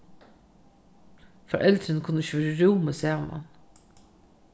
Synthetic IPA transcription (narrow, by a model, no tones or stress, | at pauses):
fɑ̰ɾʔɛlt̪ɾənkʰʊnːəɪçøːɾəɾuːməsæːmɑ̰n